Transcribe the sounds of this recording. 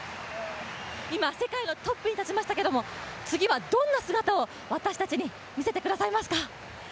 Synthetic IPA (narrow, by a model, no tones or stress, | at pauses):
imase̞kaino̞t̪o̞pːɯ̟ɲ̟it̪at͡ɕimaɕi̥t̪ake̞d̪o̞mo̞t͡sɨɡʲiβad̪õ̞nːasɨɡat̪ao̞ | βat̪aɕi̥t̪at͡ɕiɲ̟i | mʲise̞t̪e̞kɯ̟d̪asaimasɨ̥ka